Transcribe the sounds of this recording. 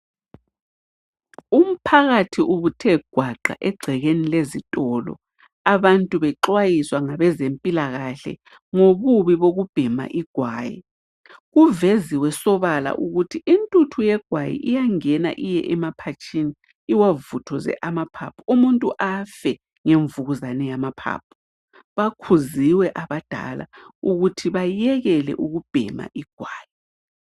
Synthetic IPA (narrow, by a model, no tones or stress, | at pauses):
um̩pʰaɣatʰiʔuβutʰɛɡ̥ʱwaɡ͡ǀʱa̰ʔɛɡ͡ǀʱɛɣenilezitʼɔlɔ̰ | aβantʼuβɛǁwajiswaŋaβɛzempʼilaɣaɬɛ̰ | ŋoβuβiβoɣub̥ʱɛma̰ʔiɡ̥ʱwaːjḭ | ɣuveziwɛsɔβala̰ʔuɣutʰiʔintʼutʰujɛɡ̥ʱwajḭʔijaŋɛna̰ʔijɛ̰ʔɛmapʰat͡ʃʼini | iwavutʰɔzɛ̰ʔamapʰa̰pʰuumuntʼuʔafɛ | ŋeɱvuɣuzanɛjamapʰa̰ːp̚ʰu̥ | βakʰuziwɛʔaβad̥ʱa̰la̰uɣutʰiβajɛɣɛlɛ̰ʔuɣub̥ʱɛ̰ma̰ʔiɡ̥ʱwaːji